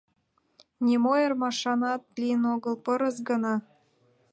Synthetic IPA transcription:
nʲimojermɑʃɑnɑt̪̚lijənoɣə̆lpɤɾə̆sɡə̆nɑ

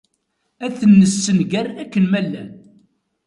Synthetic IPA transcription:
æθənːəsːənɡærækːənmælːæn

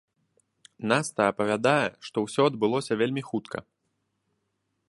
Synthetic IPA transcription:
nast̪ɐːpɐvʲad̪ajɛʂt̪ɔwsʲɔɐd̪bɨlˠɔsʲɐvʲelʲmʲixut̪kʰɐ̰

